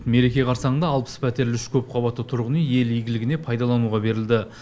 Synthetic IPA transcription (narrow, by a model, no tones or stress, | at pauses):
t̪me̞ɾe̞kʲe̞qʰɑɾsɑɴənd̪ɑːlˠpə̥spʰæt̪e̞ɾlʏʃkʲʰɵp̚qʰɑβɑt̪ːət̪ʰʊɾʁənije̞lijɡʲɪlɪɡʲɪne̞pʰɑjd̪ɑlˠɑnuʁɑbe̞ɾɪld̪ɪ